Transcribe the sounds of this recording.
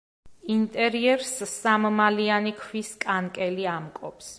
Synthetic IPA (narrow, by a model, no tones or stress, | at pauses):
int̪ʼɛɾiɛɾssammalianikʰwiskʼankʼɛliamkʼɔps